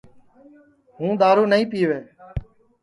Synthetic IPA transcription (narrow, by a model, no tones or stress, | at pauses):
ɦũːd̪aːɾuːnəĩːpiːʋeː